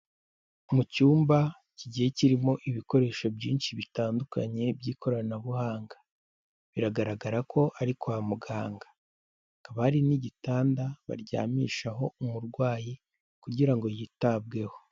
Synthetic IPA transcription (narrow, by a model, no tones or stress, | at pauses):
mucuːmba | ciɟihe̞ciɾimo̞ʔiβiko̞ɾe̞ːʃo̞bjiːnʃiβitaːndukʰa̰ɲe̞bɟiːkʰo̞ɾanaβuhaːŋɡḁ | βiɾaɡaɾaɡaɾakʰo̞ʔaɾikʰowamuɡaːŋɡḁ | kaβaɾiniɟitaːndaβa̰ɾɟa̰ːmiʃaɦo̞umuɾɡwaːji | kuɟiɾaŋɡo̞jitab̚ɡe̞ho̞